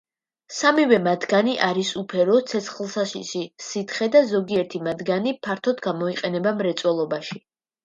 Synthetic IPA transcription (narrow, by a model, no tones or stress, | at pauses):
samivɛmad̪ɡaniʔaɾisupʰɛɾɔt̪sʰɛt̪sʰχlˠsaʃiʃisit̪ʰχɛd̪azɔɡiɛɾt̪ʰimad̪ɡanipʰaɾt̪ʰɔd̪ɡamɔiqʼɛnɛbamɾɛt̪sʼwɛlˠɔbaʃi